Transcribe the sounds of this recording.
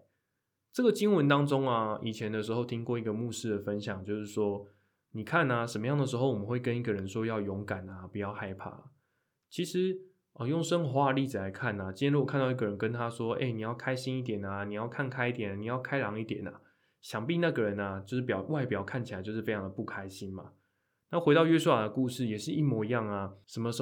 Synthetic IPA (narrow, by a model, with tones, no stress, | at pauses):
ʈ͡ʂɤ˥˩ɡə˨t͡ɕi˥ŋwə˧˦nt̪ɑ˥ŋʈ͡ʂo˥ŋɐ˨i˨˩t͡ɕʰjɛ˨˧˦nd̪ə˨ʂɻ̩˧˥xo˥˧ʊt̪ʰi˦ŋkwɔ˥˧i˧˥ɡə˨mu˥˧ʂɻ̩˥˩d̪ə˩fə˦nɕjɑ˨˩ŋt͡ɕjo˥˧ʊʂɻ̩˥˩ʂwɔ˥ | ni˨˩kʰa˥˩nɐ˨ʂə˨˩mə˦jɑ˥˩ŋd̪ə˩ʂ̬ɻ̩˧˥xo˥˩wɔ˨˩mə˦xwe˥˩ɪkə˦ni˥˩ɡə˨ɻə˧˦nʂwɔ˥jɑ˥˩ʊjɔ˧˥ŋka˨˩nɐ˩pu˨˦jɑ˥˧ʊxa˥˧ɪpʰa̰˥˩ | t͡ɕʰi˧˥ʂɻ̩˧˦ | ə˨˩jo˥˩ŋʂə˥ŋxwa˥˧li˥˩d͡z̩˨la˧˦ɪkʰa˥˩na˩t͡ɕi˥njɛ̃˧˥u˥˨kʰa˥˧nd̪ɑ˥˧ʊi˥˩ɡə˨˩ɻə˧˦nkə˦nt̪ʰa˦ʂwɔ˥ḛ˥˩ɪni˨˩jɑ˥˩ʊkʰa˥ɪɕi˥ni˥˩t̪̬jɛ˨˩na˩ni˨˩jɑ˥˩˧ʊkʰa˥˩nkʰa˥ɪi˥˩t̪jɛ˨˩na˨˩ni˨˩jɑ˥˩ʊkʰa˥ɪlɑ˧˥ŋi˥˩t̪jɛ˨˩nɐ̰˩ | ɕjɑ˨˦ŋpi˥˧na˥˩ɡə˩ɻə˧˦nɐ˨t͡ɕjo˥˧ʊʂ̩˥˩p̬jɑ˨˩ʊwa˥˩ɪpjɑ˨˩ʊkʰa˥˩nt͡ɕʰa˨˦ɪt͡ɕo˥˧ʊʂɻ̩˥˩fe˥ɪt͡ɕʰɑ˧ŋd̪ə˩pu˥˩kʰa˦ɪɕi˦nma̰˨ | na˥˩xwe˧ɪɾɑ˥˧ɥɛ˥su˥a˨˩d̪ə˩ku˥˧ʂɻ̩˥˩jɛ˨˩ʂɻ̩˥˧i˥˩mwɔ˧˥i˧˦jɑ˥˩ŋa˨ʂə˧mə˧